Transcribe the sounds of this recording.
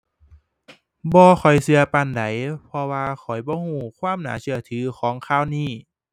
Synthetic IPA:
bɔː˧xʰɔ˨˩jsɯ˧˦ɐpa˧˩nda˨˦jpʰɔ˧waː˧kʰɔ˨˩jbɔː˧˦huː˧˩kʰwaː˧˥˨mna̰ː˨˦sɯ˧˦ɐt̪ʰɯː˨˦kʰɔː˨˩˦ŋkʰaː˧˩˨wniː˧˩

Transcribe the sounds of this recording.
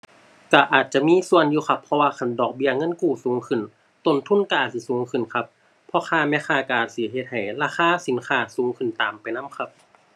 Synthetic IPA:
ka˧˩ʔaː˨˩t̪̚t͡ɕa˨˧˨miː˧˥˨su˧˨ə˨njuː˧xʰa˧pʰːɔ˧waː˧kʰa˧˩˨ndɔː˨˩k̚bi˧ɐŋɤ˧˥˨nkuː˧˩suː˨˦ŋkʰɯ˧˩˨n | t̪o˧˩nt̪ʰu˧˥˨nka˧ʔaː˨˩t̪si˧˩suː˨˦ŋkʰɯ˨˩nkʰa˧p̚ʰː | ɔ˧xʰaː˧˩mɛː˧˥˨xʰaː˧˩ka˧˩ʔaː˨˩t̪̚si˧˩˦ɦe˧t̪̚ha˨˩jlaː˧xaː˧˥˨si˨˦nkʰaː˧˩suː˨˦ŋkʰɯ˨˩nt̪aː˨˩mpa˨˩jna˧˥˨mkʰa˧˥p̚

